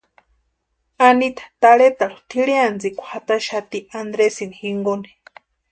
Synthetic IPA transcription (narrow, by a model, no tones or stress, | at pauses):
anit̪ʰḁt̪aɺet̪aɺo̥t̪ʰiɺeand͡zikʷḁhat̪aʃat̪iand̪ɾesinixiŋɡoni̥